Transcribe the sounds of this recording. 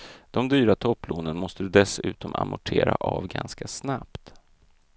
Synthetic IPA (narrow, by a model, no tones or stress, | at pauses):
d̪̥ɔmd̪yːɾat̪ʰɔpːloːnənmɔst̪əd̪ɵd̪ɛsʉ̟ːt̪ɔmamʊʈʰeːɾaʔavɡanskasnapt̪